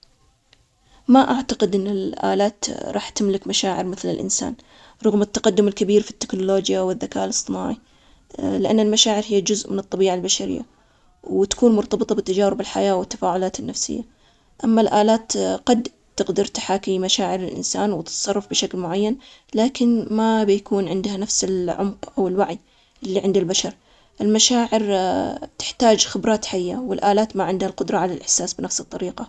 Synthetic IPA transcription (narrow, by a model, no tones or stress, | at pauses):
maʔaʕt̪aqɪd̪ʔɪnːɪlʔa̰ːlaːt̪ɾˤɑːħt̪ɪmlɪkmaʃaːʕɪɾmɪθlɪ̰lʔɪ̰nsa̰ːn | ɾˤʊɣmɪt̪ːɑqɑd̪ːʊmɪlkabiːɾfi̥t̪ːɪ̥knʊloːd͡ʒjawɪðːakaːʔlɨsˤt̪ˤɨna̰ːʕi | lɪʔanːalmaʃaːʕɪɾhɪjːad͡ʒʊzʔmɪnɨt̪ˤːɑbiːʕalbaʃaɾɪ̰jːa̰ | wt̪ḁkuːnmʊɾt̪ɑbɨt̪ˤɑbɪt̪ːad͡ʒaːɾɪbɪlħajaːwɪt̪ːḁfaːʕʊlaːt̪ɪnːafsɪ̰jːa | ʔamːalʔaːlaːt̪qɑd̪ | t̪ɪqd̪ɑɾˤt̪ḁħaːkimaʃaːʕɪɾɪlʔɪ̰nsaːnwɪt̪t̪sˤɑrˤːɑfbɪʃaklmʊʕajːanlaːkɪnmabjakuːnʕɪnd̪hanafsɪlʕʊ̰mqʔawɪlwaʕi | ʔɪlːiʕɪnd̪albaʃɑɾˤ | ʔɪlmaʃaːʕɪɾt̪ɪ̥ħt̪aːd͡ʒxɪbɾˤɑːt̪ħajːa̰wɪlʔaːlaːt̪maʕɪnd̪halqʊd̪ɾˤɑʕalalʔɪħsaːsbɪnafsɨt̪ˤːɑɾiːqɑ